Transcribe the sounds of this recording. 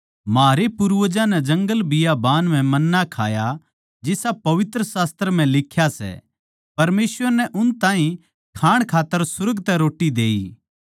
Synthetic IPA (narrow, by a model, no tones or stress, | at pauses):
maːɾepʊɾʋəd͡ʒãnɛd͡ʒɐ̃ŋɡəlbɪjabaːnm̤ɛ̃mɐnːakʰa̰ːja | d͡ʒɪsapɐʋɪt̪ɾəsaːst̪əɾm̤ɛ̃lɪkʰjasɛ̰ | pɐɾmeːsʋəɾnɛʔʊnt̪ãːɦĩ | kʰaːɽ̃kʰaːt̪ːəɾsʊɾəɡt̪ɛɾoːʈːid̪eːiː